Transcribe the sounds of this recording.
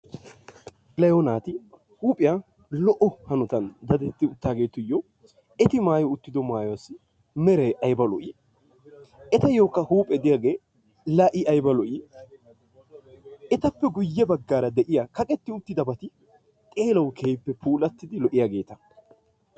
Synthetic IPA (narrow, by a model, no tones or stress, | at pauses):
lɐjonaːt̪ɪ | huːpʼɪja | lɔʔɔhɐnʊt̪ɐnd̪ɐd̪ɛt̪ːɪʊt̪ːaːɡe̞ːt̪ʊjːɔ | ɛt̪ɪmaːjɔʊt̪ːɪd̪ɔmaːjɔwɐsɪ | mɛɾɛjʔɐjbɐlɔ̰ʔiː | ʔɛt̪ɐjoːkːɐhuːpʼɛd̪ɪjaːɡeː | lɐʔɪʔɐjbɐlɔʔi | ɛt̪ɐpːɛɡʊjːɛbɐɡːaːɾɐd̪ɛʔɪjakɐkʼɛt̪ːɪʊt̪ːɪd̪ɐbɐt̪ɪ | t̪ʼe̞ːlɐwkʰeːjpːɛpʰuːlɐt̪ːɪd̪ɪlɔʔɪjaɡe̞ːt̪ɐ